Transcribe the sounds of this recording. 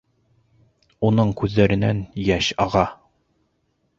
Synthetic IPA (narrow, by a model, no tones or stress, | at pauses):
unɤɴkʉðːæɾɘ̆næ̰njæɕɑʁɑ